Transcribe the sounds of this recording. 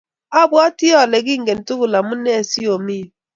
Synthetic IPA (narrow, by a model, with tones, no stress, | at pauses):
a˦bwɔ˦ti˦ɔ˨le˨ɡi˦ŋ̩˦ɡe˨n˨tu˦ku˨la˨mu˦ne˦˨si˦o˨mi˦˨